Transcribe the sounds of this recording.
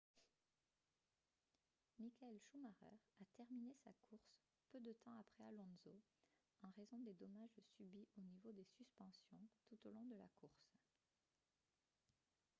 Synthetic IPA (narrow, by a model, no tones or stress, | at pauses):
mikaɛlʃumaʁœ̰ʁat̪ɛʁminesa̰kʰuʁs | pød̪ət̪ʰɑ̃apχɛalɔ̃nzo | ɑ̃ʁezɔ̃d̪ed̪ɔmaʒsybiʔonivod̪esyspɑ̃sjɔ̃t̪ut̪olɔ̃d̪əla̰kuʁs